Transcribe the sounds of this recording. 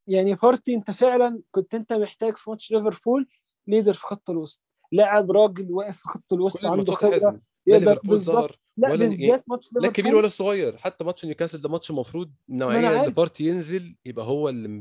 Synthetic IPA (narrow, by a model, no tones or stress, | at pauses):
jaʕnifɑɾˤt̪iʔent̪æfeʕlænkont̪ʔent̪æmeħt̪æːɡfimɑt̪ʃɾeveɾˤpuːlː | jed̪ɑɾfi̥xɑt̪ˤːɑlwɑst̪ | laʕebɾˤɑːɡelwæːʔefːixɑt̪ˤːɑlwɑsˤt̪ʕamd̪oxebɾæ | jeʔ̪ɑɾbezˤːɑ | læʔbezːæːt̪̚mɑtʃɾelæɾkːæbiːɾwælːæsˤoɣɑjːɑɾˤħat̪ːæmɑt̪ʃʔnjekæseld̪æmɑt̪ʃmɑfɾˤuːd̪̚næʕemænʕaːɾfɑɾˤt̪ijenzeljebʔæɦowːæl